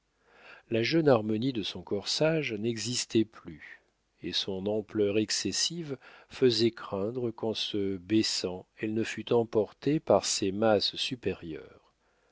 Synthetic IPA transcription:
laʒœnaʁmɔnid̪əsɔ̃kɔʁsaʒnɛɡzist̪ɛply | esɔ̃nɑ̃plœʁɛksɛsivfəzɛkχɛ̃d̪ʁəkɑ̃səbɛsɑ̃ɛlnəfyt̪ɑ̃pɔʁt̪epaʁsɛmasːypɛʁjœ̰ːʁ

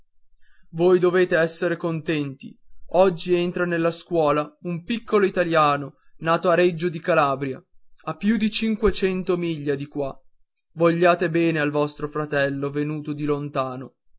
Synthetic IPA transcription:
voːjd̪oveːt̪eɛsːeɾekont̪ɛnt̪ḭɔd͡ʒːient̪ɾanelːaskwɔːlaumpikːoloit̪aljaːno | naːt̪oaɾed͡ʒːod̪ikalaːbɾja̰apːjud̪it͡ʃiŋkwet͡ʃɛnt̪omiʎːad̪ikwa | voʎːaːt̪ebɛːnealvɔst̪ɾofɾat̪ɛlːovenuːt̪od̪ilont̪aːno

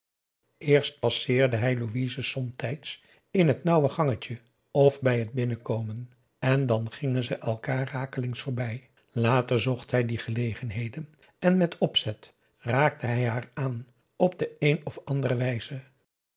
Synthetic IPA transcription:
ʔɪːɹst̚pɑsɪːɹdəɦɛjluʋizəsɔmtɛjts | ɪnɦətnɑwəχɑŋəcə | ɔfbɛjɦəd̚bɪnəkowmən | ɛndɑnχɪŋənzəʔɛlˠkaːraːkəlɪŋsfʊːɹbɛj | laːtəɹzɔχtɦɛjdiχəlejχənɦejdən | ɛnmɛtɔpsɛt | raːk̚təɦɛjɦaːɹaːn | ɔb̚dəejnɔfɑndərəʋɛjz̥ə

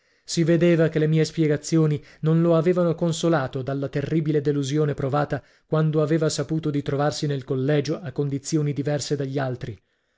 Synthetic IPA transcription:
sived̪eːvakelːemiːespjɛɡat̪sːjoːni | nonloaveːvanokonsolaːt̪od̪alːat̪erːiːbiled̪eluzjoːnepɾovaːt̪a | kwand̪oaveːvasapuːt̪od̪it̪ɾovarsinelkolːɛːd͡ʒoʔakːond̪it̪sːjoːnid̪ivɛrsed̪aʎːalt̪ɾi

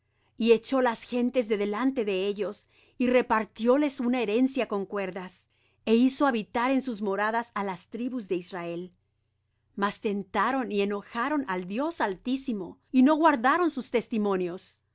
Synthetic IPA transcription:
ie̞t͡ʃo̞lasxe̞nt̪e̞zðe̞ðe̞lant̪e̞ðe̞e̞ʝo̞s | ire̞paɾt̪jo̞le̞sunaeɾe̞nsjako̞ŋkwe̞ɾðas | e̞iso̞aβit̪aɾe̞nsuzmo̞ɾaðasalast̪ɾiβuzðe̞izrae̞l | mast̪e̞nt̪aɾo̞nie̞no̞xaɾo̞nald̪jo̞salt̪isimo̞ino̞ɣwaɾðaɾo̞nsust̪e̞st̪imõ̞njo̞s

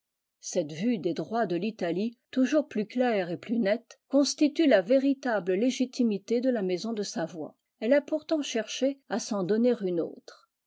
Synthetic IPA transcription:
sɛt̪vyd̪ed̪ʁwad̪əlit̪alit̪uʒuʁplyklɛʁeplynɛt̪kɔ̃st̪it̪ylaveʁit̪abləleʒit̪imit̪ed̪əlamɛzɔ̃d̪əsavwa̰ | ɛlapuʁt̪ɑ̃ʃɛʁʃeasɑ̃d̪ɔneʁyno̰ːt̪χ

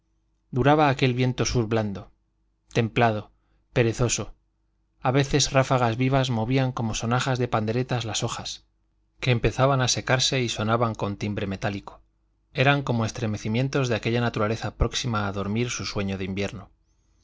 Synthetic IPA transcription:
d̪uɾaβaːke̞lβje̞nt̪o̞suɾβland̪o̞ | t̪e̞mplað̞o̞ | pe̞ɾe̞θo̞so̞ | aβe̞θe̞zrafaɣ̞azβiβ̞azmo̞βiaŋko̞mo̞so̞naχazðe̞pand̪e̞ɾe̞t̪azlaso̞xas | ke̞ːmpe̞θaβanase̞kaɾse̞iso̞naβaŋko̞nt̪imbɾe̞me̞t̪aliko̥ | e̞ɾaŋko̞moe̞st̪ɾe̞me̞θimjẽ̞nt̪o̞zðeake̞ʎanat̪uɾale̞θapɾo̞ksimaːðo̞ɾmiɾsuswe̞ɲo̞ðeimbje̞ɾno

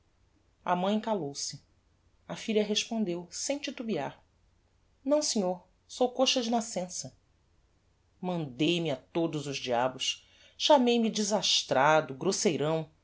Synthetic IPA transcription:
ɐ̰mɐ̃j̃kalowsɪ | ɐfiʎɐɦeʃpõnd̪ewsẽj̃t͡ʃit̪ubiaɾ | nɐ̃w̃siɲoɾ | sowkoʃɐd͡ʒɪnasẽsɐ | mɐ̃nd̪ejmɪat̪od̪ʊzʊzd͡ʒiabʊʃ | ʃamejmid͡ʒizaʃt̪ɾad̪ʊɡɾosejɾɐ̃w̃

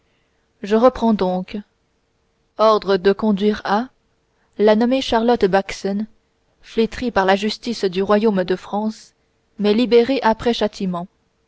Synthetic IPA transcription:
ʒəʁəpχɑ̃d̪ɔ̃k | ɔʁd̪ʁəd̪əkɔ̃d̪ɥiːʁa | lanɔmeʃaʁlɔt̪baksɔn | flet̪χipaʁlaʒyst̪isd̪yʁwajomd̪əfχɑ̃s | mɛlibeʁeʔapχɛʃat̪ʰimɑ̃

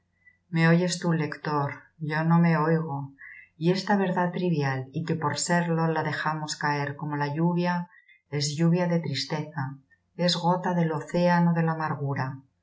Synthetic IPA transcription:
me̞o̞ʝe̞st̪ule̞kt̪o̞ɾ | ʝo̞no̞me̞o̞jɣo̞ie̞st̪aβ̞e̞ɾðat̪ɾiβjalike̞po̞ɾse̞ɾlo̞laðe̞xamo̞skae̞ɾko̞mo̞laʎuβja | e̞zʎuβ̞jaðe̞t̪ɾist̪e̞θa | e̞zɣo̞t̪aðelo̞θe̞ano̞ðe̞laːmaɾɣ̞uɾa

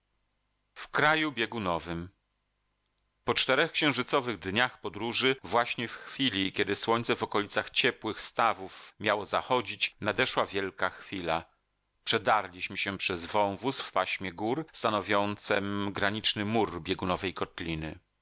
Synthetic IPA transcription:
fkɾajubʲjɛɡunɔvɘm | pɔt͡ʂt̪ɛɾɛxkɕɛ̃w̃ʐɘt̪sɔvɘɣd̪ɲaxpɔd̪ɾuʐɘvwaɕɲɛfxfʲilʲikʲɛd̪ɘswɔɲt̪sɛvɔkɔlʲit̪saxt͡ɕɛpwɘxst̪avufmʲjawɔzaxɔd͡ʑit͡ɕnad̪ɛʂwavʲjɛlkaxfʲila | pʂɛd̪aɾlʲiɕmɘɕɛpʂɛzvɔ̃w̃vusfpaɕmʲjɛɡuɾst̪anɔvʲjɔnt̪sɛmɡɾaɲit͡ʂnɘmuɾbʲjɛɡunɔvɛjkɔt̪lʲinɘ̰

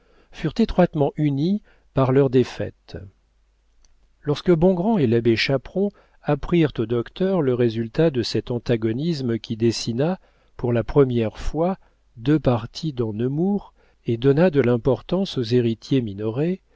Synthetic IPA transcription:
fyʁt̪et̪χwat̪mɑ̃ʔyni | paʁlœʁd̪efɛ̰t̪ | lɔʁskəbɔ̃ɡʁɑ̃elabeʃapχɔ̃ | apχiʁt̪od̪ɔkt̪œʁləʁezylt̪ad̪əsɛt̪ɑ̃t̪aɡɔnisməkʲʰid̪esina | puʁlapχəmjɛʁfwa | d̪øpaʁt̪ʰid̪ɑ̃nəmuʁ | ed̪ɔnad̪əlɛ̃pɔʁt̪ɑ̃sozeʁit̪jeminɔʁe

